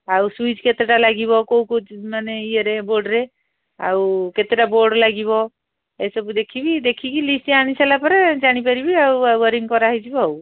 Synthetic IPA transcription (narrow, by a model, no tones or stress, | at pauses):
awsuid͡ʒket̪eʈalaɡibɔkowkod͡ʒmaneieɾeboɾɖɾe | awket̪eʈaboɾɖlaɡiβɔ | esɔbud̪ekʰibid̪ekʰikilisʈiañisalapɔɾed͡ʒaɽ̃ipaɾibiawawəɾiŋkɔɾaɦjd͡ʒibaw